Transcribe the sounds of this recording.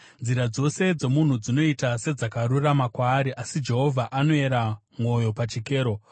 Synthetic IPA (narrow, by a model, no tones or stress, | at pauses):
nd͡ziɾad͡zo̞se̞d͡ze̞mun̤ud͡zino̞itase̞d͡zakaɾuramakwaːɾiʔasid͡ʒe̞ɦo̞vʱaʔano̞e̞ɾa | mo̞jo̞pat͡ʃike̞ːɾo̞